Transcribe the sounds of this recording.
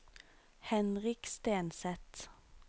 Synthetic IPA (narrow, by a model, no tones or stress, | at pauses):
hɛnʁɪkst̪eːnsɛt̪